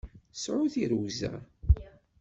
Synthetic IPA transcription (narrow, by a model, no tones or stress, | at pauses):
sʕʊθiɾuwzæ̰